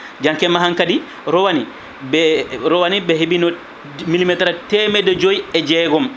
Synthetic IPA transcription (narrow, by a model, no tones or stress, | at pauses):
d͡ʒaŋkɛmaɦaŋkadi | ɾɔwani | bɛɾɔwanibɛɦebinɔ | milimɛtɛɾatɛmɛdɔd͡ʒojɛd͡ʒɛːɡɔm